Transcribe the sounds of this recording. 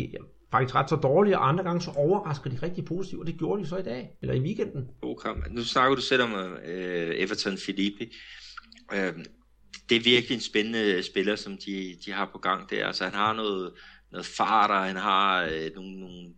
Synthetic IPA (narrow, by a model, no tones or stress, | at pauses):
fɑ̈ɡ̥isɡʁɑ̈d̥sɒd̥ɒːliɒʔɑ̈nd̥ʁɐɡ̥ɑ̈ŋəsɒ̽ʔɒʊɐʁɑ̈sɡ̥əð̩ˠd̥iʁɛɡ̥̚d̥ipʰo̝ːsi̥t͡sʰḭʊ̥ɒd̥e̝ɡ̥jo̝ːɐɾ̥ijo̝sɒ̽id̥ɛ̰ːelʔɐiʋiːɡ̥en̰d̥n̩o̰ːkʰɑmnusnɑ̈ɡ̥ɐd̥usel̰ɒ̽m | eʋɐt͡sʰɒnfilib̥ʰi | ʔø̥ | d̥e̝æɐʋiɐɡ̥liensb̥enənəsb̥e̝lɐsɒ̽md̥id̥iɦɑ̈pʰɒ̽ɡ̥ɑ̈ŋ̰d̥æɐælsəhænhɑ̈nɔ̽ːð̩ˠnɔ̽ːð̩ˠfɑ̈ːɾ̥ɐhænɦɑ̈no̝ːnnoːn̩